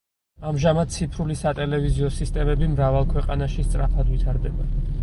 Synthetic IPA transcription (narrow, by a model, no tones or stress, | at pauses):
amʒamad̪̥̚t̪sʰipʰɾulisat̪ʼɛlɛviziɔsist̪ʼɛmɛbimɾavalˠkʰwɛqʼanaʃist̪sʼɾapʰad̪vit̪ʰaɾd̪ɛba